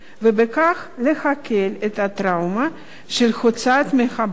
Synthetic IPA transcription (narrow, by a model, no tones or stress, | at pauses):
vebekaχlexakʰelet̪hat̪ɾawma | ʃelxot͡sat̪mexab